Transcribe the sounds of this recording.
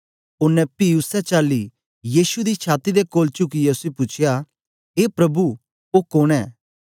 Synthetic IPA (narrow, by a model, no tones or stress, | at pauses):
ʊnːɛpiːʊsɛt͡ʃaːlːi | jiːsud̪it͡ʃʰaːt̪id̪ekoːlt͡ʃʊkijeʊsepʊt͡ʃʰɪja | ɦeːpɾɐbu | okoːɽ̃ɛː